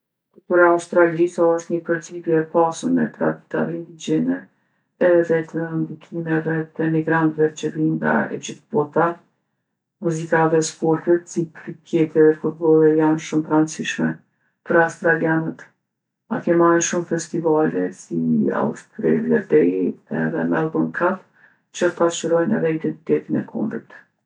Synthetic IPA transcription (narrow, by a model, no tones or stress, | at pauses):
upəɾaust̪ɾalisaɔst̪ɲəpəɾt͡sipjɛɛpasəmɛt̪ɾa̰d̪i̥t̪a̰vɛind̪id͡ʑɛnɛ | ɛðɛt̪ənd̪ikʰimɛvɛt̪ɛmiɡɾant̪vɛt̪t͡ʃəviŋɡa̰ɛ̰d͡ʑiθbɔt̪a | muzikaðɛspɔɾt̪ət̪sipɾikʰjɛt̪ɛðɛfut̪̚bɔlˠɛjanʃumtɾant͡siʃmɛ | pəɾawst̪ɾalianət̪ | a̰kɛmaɾnʃumfɛst̪ivalɛsia̰ṵst̪ɾɛ̰lɛd̪ɛiɛ̰ðɛ̰mɛlˠbaŋkʰat̪ | t͡ɕəpaʃəɾɔjnɛ̰ðɛid̪ɛnt̪i̥t̪ɛt̪inɛ̰kʰɔ̰mbɾḭt̪